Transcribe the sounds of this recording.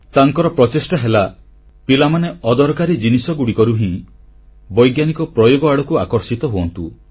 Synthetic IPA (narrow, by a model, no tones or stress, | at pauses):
t̪aŋkɔɾɔpɾɔt͡ʃesʈaɦela | pilamaneɔd̪ɔɾɔkaɾid͡ʒinisɔɡuɽikɔɾuɦĩ | bɔjɡjanikɔpɾɔjoɡɔaɽɔkuakɔɾsit̪ɔɦuɔnt̪u